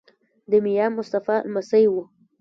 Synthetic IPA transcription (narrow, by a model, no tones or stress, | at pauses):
d̪əmijamʊst̪afa̰lmasajwu